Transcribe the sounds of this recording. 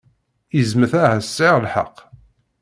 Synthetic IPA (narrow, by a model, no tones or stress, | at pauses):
izməθæhæsːɪʁlħa̰qː